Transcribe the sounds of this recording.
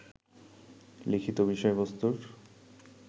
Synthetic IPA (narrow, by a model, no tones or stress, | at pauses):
likʰit̪obiʃɔebost̪uɾ